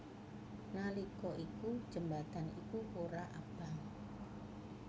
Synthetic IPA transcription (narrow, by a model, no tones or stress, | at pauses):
nalikɔʔikud̥ʒ̥ə̤mbat̪anḭkukoɾaʔab̥a̤ŋ